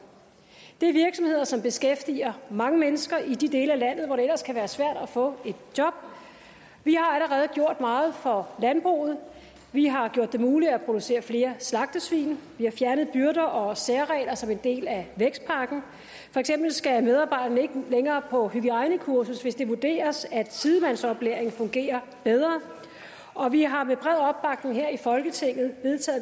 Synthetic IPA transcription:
d̥e̝æɐʋiɐɡ̥sɒ̽mhe̝ð̞̰ˠɐsɒ̽mb̥e̝sɡ̥efd̥ḭɐmɑ̈ŋəmenəsɡ̥ɐʔid̥id̥e̝ːləælæn̰ð̩ˠʋɒɾ̥eelɐskʰæʋæːɐsʋæɐ̰d̥æfɔ̰̽ːe̝d̥̚jɒ̽b̥ | ʋihɑ̈æləʁɛːð̞̩ˠɡ̥jo̝ɐ̰d̥mɑ̈ːð̞̩ˠfɒ̽lænb̥ʁo̰ːð̞̩ˠ | ʋiɦɑ̈ɡ̥jo̝ɐ̰d̥e̝muːliæpʰʁo̝d̥use̝̰ːɐfle̝ːɐslɑ̈ɡ̥̚d̥əsʋḭːnʋihɑ̈fjæɐnəð̩ˠb̥yɐɾ̥ɐʔɒ̽seɐʁɛ̰ːlɐsɒ̽me̝nd̥e̝̰ːlæʋeɡ̥sd̥̚pʰɑ̈ɡ̥n̩ | fɒ̽eɡ̥sem̰b̥l̩sɡ̥æmeð̞ˠɑ̈ːb̥ɑ̈ɪ̰d̥ɐn̩əe̝ɡ̥əleŋɐːpʰɒ̽hyɡ̥iʁɑ̈ɪnəkʰuɐsusʋe̝sd̥e̝ʋud̥e̝̰ːɐsæd̥sið̞ˠəmænsɒ̽b̥leːɐe̝ŋfɔ̽ŋɡ̥e̝̰ːɐ | b̥eð̞ˠʁɐ | ɒ̽ʋiɦɑ̈meb̥ʁɛð̰ˠɒ̽b̥ːɑ̈ɡ̥̚neŋ̩ɦeɐ̰ifɒ̽lɡ̥ət͡sʰe̝ŋ̰ð̞̩ˠʋe̝ðˠt͡sʰɛ̰ː

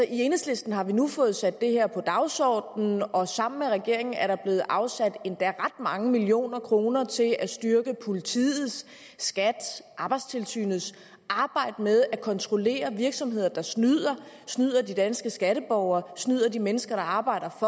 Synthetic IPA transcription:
sɒʔienesle̝sd̥n̩ɦɑ̈ʋinufɔ̽ːð̞̩ˠsæd̥ːe̝heɐ̰pʰɒ̽d̥ɑ̈ʊsɒːd̥nn̩ɒ̽sɑ̈m̰n̩meʁɛɡ̥e̝ɐ̰e̝ŋn̩æɐɾ̥ɑ̈b̥le̝ːð̩ˠʔɑ̈ʊsæd̥e̝nd̥æʁɑd̥mɑ̈ŋəmilio̝̰ːnɐkʰʁo̝ːnɐt͡sʰe̝lʔæsd̥yɐɡ̥əpʰo̝lit͡sʰḭːð̩ˠs | ɡ̥æd̥ʔɑ̈ːb̥ɑ̈ɪd̥st͡sʰe̝lsy̰ːnð̩ˠs | ʔɑ̈ːb̥ɑ̈ɪ̰d̥əmeð̞ˠækʰɒ̽nt͡sʰʁo̝le̝̰ːɐʋiɐɡ̥sɒ̽mɦe̝ð̰ˠɐd̥ɑ̈snyð̰ˠɐ | snyð̞̰ˠɐdid̥ænsɡ̥əsɡ̥æɾəb̥ɒʊɐːsnyð̞̰ˠɐd̥imenəsɡ̥ɐɾ̥ɑ̈ɑ̈ːb̥ɑ̈ɪ̰ɾ̥ɐfɒ̽

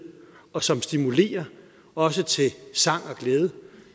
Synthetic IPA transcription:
ɒ̽sɒ̽msd̥imule̝̰ːɐ | ɒ̽sət͡sʰe̝sɑ̈ŋ̰ɒ̽ɡ̥leːð̞ˠə

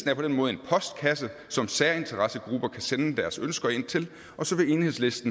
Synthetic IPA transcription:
d̥n̩æɐpʰɒ̽denmɔ̽ːð̩ˠe̝npʰɒ̽sd̥̚kʰæsə | sɒ̽msæːɐe̝nt͡sʰɐʁɑsəɡ̥ʁub̥ɐkʰæsenəd̥æɐsønsɡ̥ɐe̝n̰t͡sʰe̝l | ɒ̽sɒ̽ʋe̝e̝ːnhe̝sle̝sd̥n̩

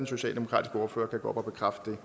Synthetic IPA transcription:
enso̝ɕɛ̰ːld̥e̝mo̝kʰɑ̰̈ːdisɡ̥əɔːɐfø̰ːɐkʰæɡ̥o̰ːɒb̥ɒ̽b̥e̝kʰʁafd̥d̥e̝

